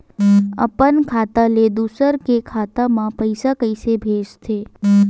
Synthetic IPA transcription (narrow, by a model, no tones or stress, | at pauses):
ə̰pənkʰaːt̪aled̪uːsəɾkekʰaːt̪amãpəɪsakəɪsebʱeːd͡ʒt̪ʰeː